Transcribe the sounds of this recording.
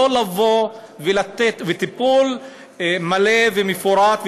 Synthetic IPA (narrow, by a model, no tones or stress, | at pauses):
olavo | velat̪et̪vet̪ipul | malevemefoɾat̪v